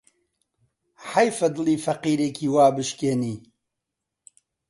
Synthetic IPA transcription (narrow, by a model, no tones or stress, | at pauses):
ħajfɐd̪ɨliːfɐqiːɾeːkʰiːwaːbɨʃkeːniː